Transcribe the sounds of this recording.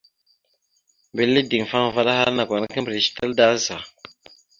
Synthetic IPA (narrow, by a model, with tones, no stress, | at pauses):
bi˨lːi˦di˨ŋ˨fa˦ŋ˨va˦ɗa˦ha˦ɾna˨kʷa˨n˦kə˦bɾi˨ʃi̥˨ta˦lda˦za˨